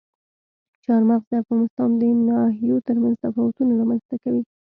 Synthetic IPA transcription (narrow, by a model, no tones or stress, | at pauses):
t͡ʃɑɾmaqzd̪əafɣɑnɪst̪ɑnd̪ənɑɦijot̪əɾmanzt̪afɑwʊt̪unalɑmanz̥t̪akawi